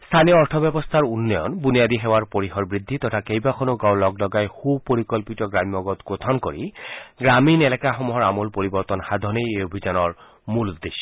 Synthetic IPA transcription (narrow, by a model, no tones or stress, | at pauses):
st̪ʰanijɔɔɹt̪ʰɔbjɛbɔst̪ʰaɹunːɔjɔ̰nbunijad̪iɦɛwaɹpoɹixɔɹbɹid̪ʱːit̪ɔtʰakejbakʰɔnoɡawlɔɡlɔɡajxubpoɹikɔlpitɔɡɹamiɔɡɔt̪ɡot̪ʰɔnkoɹiɡɹaminelɛkaxɔmuɦɔɹamɔlpoɹibɔɹt̪ɔnxad̪ʱɔnejeobʱid͡ʑanɔɹ | muld̪iʃ